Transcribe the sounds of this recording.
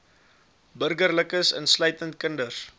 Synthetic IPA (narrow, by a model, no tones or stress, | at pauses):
bərɡərləkəsə̰nslœɥtəntkəndəs